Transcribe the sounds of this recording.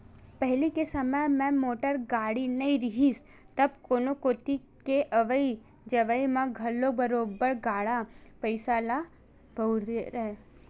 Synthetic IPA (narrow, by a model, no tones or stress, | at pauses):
pɛɦlikesɐməjmɛ̃moːʈəɾɡaːɽinɐĩɾɪɦiːs | t̪ɐbkoːnokoːt̪i | keʔɐʋəi | d͡ʒɐʋəimãɡʱɐlːobəɾoːbəɾɡaːɽapəɪsala | b̥ʱɐwɾeɾɛɦe